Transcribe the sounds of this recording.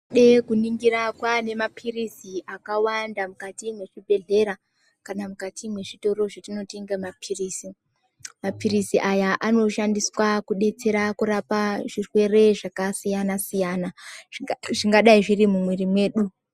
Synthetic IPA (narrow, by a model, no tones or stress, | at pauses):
ɗe̞kuniŋɡiɾakwane̞mapʰirisiʔakawandamukatimwe̞ʐibʱe̞ɮe̞ɾa | kanamukatʰimwe̞ʐito̞ɾo̞ʐatino̞tiŋɡamapʰiriːsi | mapirisiʔajaʔano̞ʃandiswakuɗe̞t͡se̞ɾakuɾapaʐirwe̞re̞ʐakasijanasijana | ʐiŋɡaɗaiʐirimumwerimwe̞ːɗu